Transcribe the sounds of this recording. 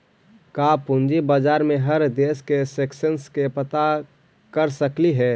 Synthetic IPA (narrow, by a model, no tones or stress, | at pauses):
kapʊnd͡ʒibad͡ʒaːɾmẽɦəɾd̪eːskeseksənskepət̪a | kəɾsəkliɦɛː